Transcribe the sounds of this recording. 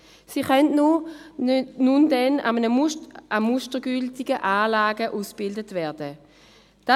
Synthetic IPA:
siːχœnnu | nundɛna̰mənəamuʃtəɡʏltɪɡəʔaːlaːɡəʔuːsb̥ɪldətvɛːɐdə | d̥a

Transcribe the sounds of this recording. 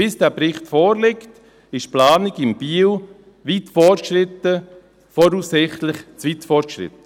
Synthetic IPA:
ɪsd̥ɛːpɾɪχtfɔːɾlɪkt | ɪʃplaːnɪɡɪmb̥iːw | ʋitfɔʃrɪtə | fɔɾuːsːɪχtlɪχt͡sʋitfɔrtʃrɪ̰tə

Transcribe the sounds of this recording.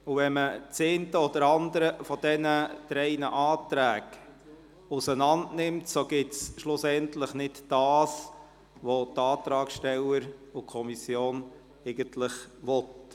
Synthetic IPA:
uvɛnmət͡seːntəɔd̥̪əɾɑnd̪əɾəfɔdɛnətɾɛɪnəʔɑːtɾæːɡ | usənɑndnɪmtsoɡ̥ɪtsʃlʊsɛntlɪχnɪtd̥ɑːs | ʋotɑːt̪ɾɑːkʃtɛləɾukʰɔmisjoːn | ɛɪɡəntlɪχʋɔt

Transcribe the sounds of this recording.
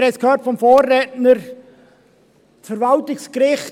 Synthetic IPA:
ɾɛskʰhøːtfɔmfoːrːɛːtnəɾ | fəɾvɑltɪkskɾɪχt

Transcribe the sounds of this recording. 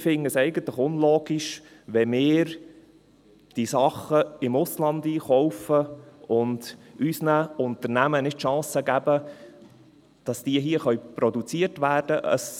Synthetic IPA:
fɪŋːəsɛɪɡənt̪ləχʊnloːɡ̥iʃ | ʋɛmɪːɾ | d̥isɑχːəɪmʊslɑndiːχɔʊfəʊndysnæʊnt̪əɾnæmənɪdʃɑ̃ːsəɡæb̥ə | d̥ɑsd̥iəɦiəχœɥpɾɔdut͡siəɾtʋæːrd̥əʔə̰s

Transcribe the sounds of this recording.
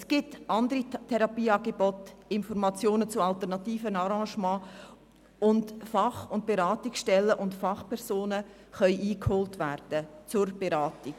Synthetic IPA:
sɡ̥ɪtʔɑndəɾitʰɛɾɑpiːɑːɡebɔtɪnfɔɾmɑt͡sjoːnət͡sʊɑlt̪əɾnɑtiːfənɑɾɑ̃ːʃmɑ̃ː | ʊndfɑχʊnt̚b̥eɾɑːtiksʃtɛlːəʔʊntfɑχpʰɛɾzoːnə | χœʏʔiːkhoːltʋæɾd̥ət͡sʊɾb̥eɾɑːtik

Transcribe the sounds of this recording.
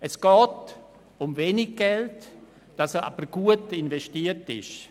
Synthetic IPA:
ɛsɡ̥ɔːt | ʊmveːnɪɡ̚ɡ̥ɛlt | d̥ɑsəa̰b̥əɾɡ̥uətɪnvɛʃtiːətɪ̰ʃ

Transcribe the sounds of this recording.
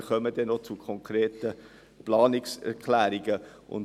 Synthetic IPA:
χœməd̥ɛnot͡sukʰɔŋkreːtə | plɑːnɪksɛ̰ɾkʰlæːɾiɡəʔʊ̰n

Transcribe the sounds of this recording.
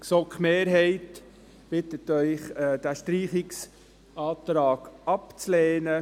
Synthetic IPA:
ksokχmeːɾɦɛɪt | b̥ɪtətœʏχd̥æʃtɾiːχɪks | ɑːt̪ɾɑːɡ̥ɑpt͡sleːnə

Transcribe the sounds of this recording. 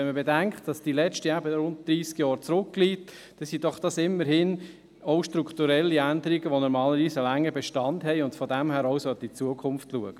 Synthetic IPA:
ɛnməbedæŋkχtd̥ɑsd̥ilɛt͡ʃtəæbəɾʊnt̚d̪̥ɾiːskjɑːɾt͡sɾʊkːliːt | d̥ɛsid̥ɔχd̥ɑsɪmːəɾhɪn | ɔʊʃtɾukχt̪uɾɛlːiændəɾiɡəʋonɔɾmɑːləɾʋiːsəlæŋːəbɛʃtɑndɦɛɪʊndfɔdæmhæːɾɔʊsœt̪it͡suəkʰʊmftluəɡ̥ə

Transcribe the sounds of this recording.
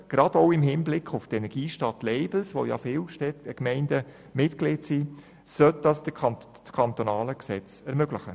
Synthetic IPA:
ɡ̥ɾɑd̥oʊɪmɦɪnblɪkʰχʊftɛnɛɾɡ̥iːʃtɑtlɛɪbl̩sʋo̰jɑ̰fɪːlʃtɛtəkmɛɪndə | mɪtkleːtsiː | sœt̚d̥ɑsə | t͡skʰɑnt̪onɑːləksɛt͡sɛɾmøɡ̥lɪχə̰

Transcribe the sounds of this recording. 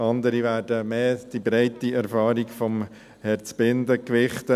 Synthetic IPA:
ɑnd̪əɾiʋæːɾdəmeːd̥ibɾaɪtiɛɾfɑːɾikfɔm | hɛɾt͡sb̥ɪnd̪əkʋɪχt̪ə

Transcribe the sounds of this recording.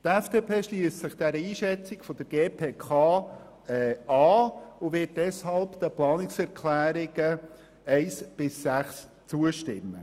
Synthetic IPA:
t̪ɛfd̥eːpʰeːʃliːstsɪχd̥ɛɾəiːʃɛt͡sɪɡfɔd̥əɾɡeːpʰeːkʰɑː | ɑːʊʋɪt̚d̥ɛshɑlpd̥̪əplɑːnɪksɛɾkʰlæːɾɪɡ̥ə | ɛɪsb̥ɪsːæχs | t͡suəʃtɪ̰mːə̰

